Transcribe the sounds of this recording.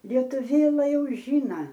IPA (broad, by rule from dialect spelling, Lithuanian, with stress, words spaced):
ˈlʲiɛtʊʋʲeːlˠɐ ˈjɛʊ ˈʒʲiːnɐ